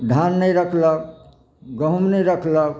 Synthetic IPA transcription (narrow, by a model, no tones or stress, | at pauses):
ɖʱanːəjɾəkʰlək | ɡəɦumnɛjɾəkʰlək